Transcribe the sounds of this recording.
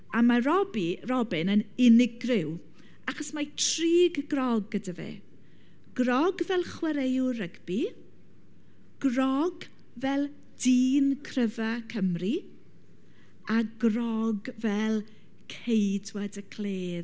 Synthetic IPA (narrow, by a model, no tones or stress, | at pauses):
amaɾɔbirɔbɪnənɪnɪɡrɪw | aχɔsmatʰriːɡɡrɔɡːədavḛː | ɡ̥rɔɡvɛlˠχwɛɾejʊrəɡbi | ɡ̥rɔɡ | vɛlˠ | d̥iːnkʰrəvakʰəmri | aɡrɔɡvɛlˠ | kʰejdwadəkʰl̥eː